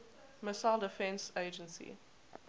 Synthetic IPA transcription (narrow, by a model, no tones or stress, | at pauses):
məsalˠdɪfɛ̃nseɪd͡ʒə̃nsḭ